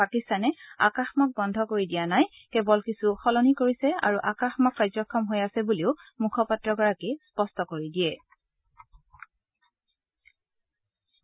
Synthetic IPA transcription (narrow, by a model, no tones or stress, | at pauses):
pakistanɛa̰kaxmɔk̚bɔndʱɔkoɹidijanaj | kɛbɔlkisuxɔlɔnikoɹisɛa̰ɹuʔakaxmɔkɹajzɔkʰːɔmɦojasɛbuliʊmukʰɔpatːɹɔɡɔɹakispɔstɔkoɹidijɛ